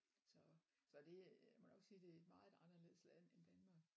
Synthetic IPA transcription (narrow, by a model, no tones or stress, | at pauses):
sɒ̽ | sɒ̽d̥e̝mɔ̥ɒ̽ɡ̥siːd̥e̝æed̥mɑ̈ːð̩ˠɑ̈nɐle̝ð̩̰ˠslæðend̥ænmɑ̈ːɡ̥